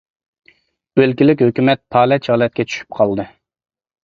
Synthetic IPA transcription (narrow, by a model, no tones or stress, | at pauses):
b̥ølkʲilɪk̬ʲhøkʲymɛt̪̚pʰɑːlɛt͡ʃhɑːlˠɛt̪̚kʲʰɛt͡ʃʰy̥ʃy̥p̚qʰɑlˠd̪ɨ